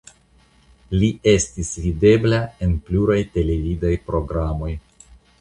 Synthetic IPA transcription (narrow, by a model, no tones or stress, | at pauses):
liʔe̞stisvide̞blae̞npluɾajte̞le̞vidajpɾo̞ɡɾamo̞j